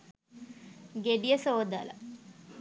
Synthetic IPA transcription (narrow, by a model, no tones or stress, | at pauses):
ɡeɖijəsoːd̪alə̰